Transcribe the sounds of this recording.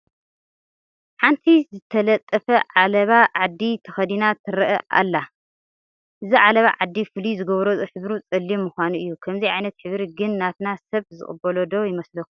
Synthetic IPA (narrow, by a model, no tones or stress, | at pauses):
ħant̪ʰizɨt̪ʰɐlɐt̪ʼːɐfɐʕalɐβaʕad̪ːit̪ʰɐxɐd̪inat̪ʰɨɾɐʔɐ̰ʔa̰lːa | ʔɨziʕalɐβa̰ʕad̪ːifɨlizɨɡɐβɾozħɨβɾut͡sʼɨlːimːuxʷanuʔɨjːukʰɐmziʕajnɐt̪ħɨβɾiɡɨnːat̪nasɐβzɨ̰χʼɨ̰bɐlod̪ojɪmɐslɐku̥